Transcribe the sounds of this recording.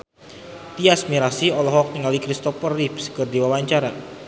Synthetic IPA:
t̪iasmiɾasiɔlɔɦɔk̚niŋalikɾist̪ɔfərːipskərd̪iwawaɲt͡ʃaɾa

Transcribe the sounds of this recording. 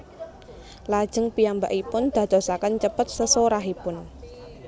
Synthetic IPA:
lad̥ʒ̥ə̤ŋpijambaʔipʊnd̪̥ä̤d̪̥ɔ̤sakənt͡ʃəpət̪̚səsoɾaɦipʊn

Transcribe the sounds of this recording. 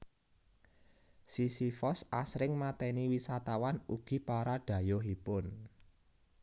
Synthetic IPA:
sisifɔsʔasɾɪŋmat̪ɛniwisat̪awanuɡ̥i̤paɾaɖ̥ä̤jɔɦipʊn

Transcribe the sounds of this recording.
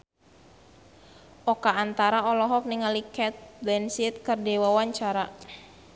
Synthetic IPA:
ʔɔkaːnt̪aɾaɔlɔɦɔk̚niŋalikɛt̪̚dɛnsit̪̚kɨrdɛwawaɲt͡ʃaɾa

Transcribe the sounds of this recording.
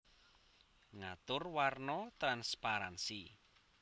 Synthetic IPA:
ŋat̪ʊrwarnɔt̪ɾanspaɾansi

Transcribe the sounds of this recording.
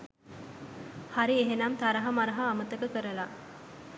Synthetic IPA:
haɾieɦenamt̪aɾɐɦɐmaɾɐɦaːmət̪əkəkəɾəla

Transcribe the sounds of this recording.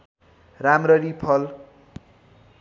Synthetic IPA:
ramrʌɾipʰʌl

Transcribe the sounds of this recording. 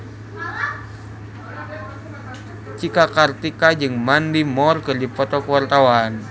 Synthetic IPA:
t͡ʃikakart̪ikad͡ʒɨŋmandimɔrkɨrdipɔt̪ɔkəwart̪awan

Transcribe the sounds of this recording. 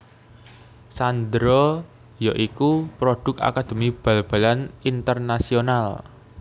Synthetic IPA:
sand̪ɾɔ | jaʔikupɾoɖ̪̥ʊ̤ka̰kad̪̥e̤mib̥a̤lb̥a̤lanint̪ərnasional

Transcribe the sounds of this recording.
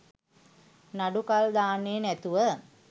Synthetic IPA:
naɖukald̪aːneːnæt̪uʋə

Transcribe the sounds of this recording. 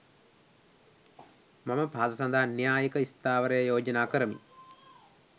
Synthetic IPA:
maməpaːsɐsand̪ʱaːnjaːjəkəist̪aːʋəɾəjəjoːd͡ʒɐnaːkəɾəmḭ

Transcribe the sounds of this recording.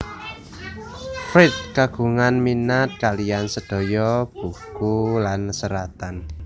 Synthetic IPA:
fɾɪt̪̚kaɡ̥ṳŋanminat̪̚kaliansəɖ̥ɔ̤jɔb̥ṳkulansəɾat̪an

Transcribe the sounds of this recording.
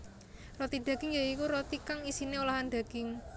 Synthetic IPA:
rot̪iɖ̪̥a̤ɡ̥ɪŋjaikuɾot̪ikaŋisineulaɦand̪̥a̤ɡ̥ɪŋ

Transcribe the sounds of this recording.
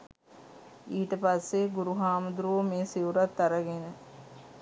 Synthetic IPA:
iːʈəpasːeɡuɾuɦaːməd̪uɾuʋəmeːsiʋuɾat̪ːaɾəɡenə

